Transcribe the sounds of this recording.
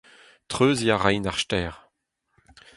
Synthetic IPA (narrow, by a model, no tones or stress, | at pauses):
t̪χøːzjaʁajnaʁʃtɛːʁ